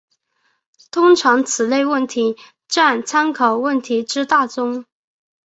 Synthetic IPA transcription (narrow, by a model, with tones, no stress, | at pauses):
t̪ʰʊ˥ŋʈ͡ʂʰɑ˧˥ŋt͡sʰɹ̩˨˩le˥˧ɪwə˥˩nt̪ʰi˧˥ | ʈ͡ʂa˥˩nt͡sʰa˥nkʰɑ˨˩ʊwə˥˩nt̪ʰi˧˥ʈ͡ʂɻ̩˥t̪a˥˩t͡sʊ˥ŋ